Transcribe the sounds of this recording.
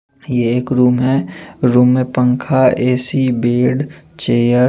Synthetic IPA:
jeeːkɾuːmɦɛɾuːmːẽpə̃ŋkʰaeːsibeːɖt͡ʃeːjəɾ

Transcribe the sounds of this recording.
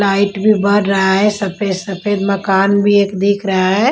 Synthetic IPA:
laɪʈbʱibɐɾːɐɦaɦɛsɐpesɐpʰed̪mɐkaːnbʱieːkd̪iːkʰɾɐɦaɦɛ

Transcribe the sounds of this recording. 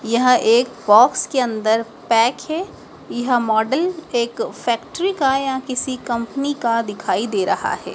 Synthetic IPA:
jɐɦʔeːkbɔːkskeɐ̃nd̪əɾ | pɛːkɦɛː | jɐɦmɔːɖəleːkfɛːkʈəɾikajɐɦkɪsikɐ̃mpnikad̪ɪkʰaːid̪eːɾɐɦa̰ɦɛ̰ː

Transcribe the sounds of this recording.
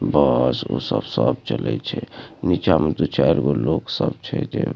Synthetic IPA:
bəsosəbsəb̚t͡ʃəlɛt͡ʃʰɛnit͡ʃamed̪ut͡ʃaɾɡoloksəb̚t͡ʃʰɛd͡ʒe

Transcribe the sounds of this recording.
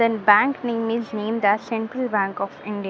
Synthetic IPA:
ənbæ̃ːŋknẽːmɪznẽːmd̪æsɛ̃ɳʈɾəlbæ̃ːŋkɔːfɪ̃ɳɖi

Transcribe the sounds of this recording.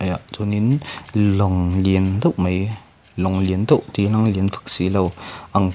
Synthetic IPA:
ʔajazuninlɔŋliənd̪ɔwʔmaj | lɔŋliənd̪ɔwʔt̪inaŋliənfʰḁk̚silɐwʔaŋ

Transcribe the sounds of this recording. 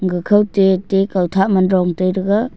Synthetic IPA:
ɡɯkʰawtetekawtʰamanɾɔŋtɯjɾɯɡa

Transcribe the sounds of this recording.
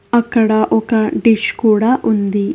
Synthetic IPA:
ɐkːɐɽɐʔɔkɐɖiʃkuːɽaːʔund̪i

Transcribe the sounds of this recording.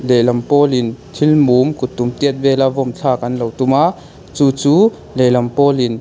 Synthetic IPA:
lɛlɐmpɔːlint̪ʰilmumkut̪umt̪iət̪̚vɛlavɔmt͡ɬʰaːkɐnlowt̪uma | t͡suːt͡suː | lɛlɐmpɔːlin

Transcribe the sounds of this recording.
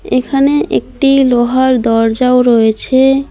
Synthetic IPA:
ekʰaneʔḛk̚ʈiloɦaɾd̪ɔɾd͡ʑawɾoet͡ɕʰe

